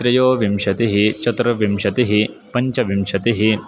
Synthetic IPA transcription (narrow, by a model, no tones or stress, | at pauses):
t̪ɾɐjoːʋimʃɐt̪iɦit͡ʃɐt̪ɾɐʋimʃɐt̪iɦi | pɐɲt͡ʃɐʋimʃɐt̪iɦi